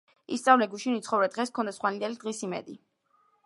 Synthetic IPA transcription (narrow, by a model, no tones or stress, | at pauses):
ist̪sʼavlɛɡuʃinit̪sʰχɔvɾɛd̪̥ʁɛskʰɔnd̪asχwanid̪ɛlid̪̥ʁisimɛ̰d̪i